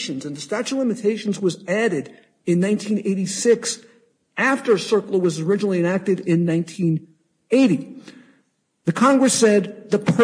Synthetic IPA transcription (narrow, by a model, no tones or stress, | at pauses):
ʃɨ̃nzɨ̃nðɨstæt͡ʃulɪ̃mɨtʰeɪʃn̩zwʌzæɾɨɾ | ɨ̃nːãɪ̃ntʰĩneɪɾisɪks | æftə˞sɜ˞kl̩ˠəwʌzə˞ɪd͡ʒnl̩ˠiɨ̃næk̚tɨɾɪ̃nːãɪ̃ntʰĩn | eɪɾi | ðɨkʰɑ̃ŋɡɹɨsɛd̪̚ðəpʰ